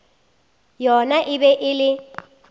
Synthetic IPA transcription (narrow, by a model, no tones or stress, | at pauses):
jɔnaʔɪbɛʔɪlɪ